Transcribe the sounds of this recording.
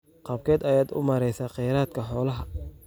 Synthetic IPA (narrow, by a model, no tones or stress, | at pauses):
qɑːb̚kʰɛːd̪ɐjaːd̪ʊ̰mɐɾɛjsaːqɛjɾaːd̪̚kʰɐħɔːlɐɦɐ